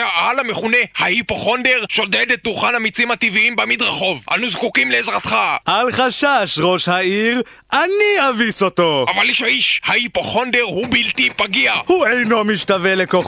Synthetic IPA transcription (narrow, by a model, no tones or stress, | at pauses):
aʔalameχune̞haipoχo̞nd̪e̞ʁʃo̞dedet̪ːuχanamit͡simat̪iviimbamid̪ʁaχo̞vʔa̰nuzkukimleːzʁat̪χaʔalχaʃaʃʁo̞ʃhaiʁ | ʔaniaviso̞to̞ʔavaliʃaiʃhaipoχo̞nd̪eʁhubilt̪ipaɡiahuejno̞miʃtave̞lekoχ